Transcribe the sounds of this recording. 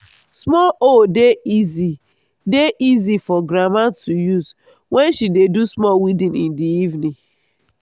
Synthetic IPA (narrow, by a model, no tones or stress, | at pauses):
smɔʔodeizi | deʔizifɔɡɾamattujuz | wɛ̃nʃidedusmɔwidĩnĩndiivnĩ